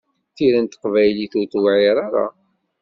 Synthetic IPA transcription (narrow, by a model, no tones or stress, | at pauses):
θiɾənt̪ə̥qvæjliθʊɾt̪wʕiɾˤaɾa̰